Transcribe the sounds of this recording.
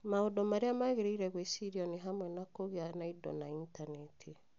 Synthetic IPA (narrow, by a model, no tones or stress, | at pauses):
maodɔmaɾeamaɣeɾeiɾɛɣwesiɾiɔniɦamwɛnakoɣeanaidɔ̰naintanɛtʰi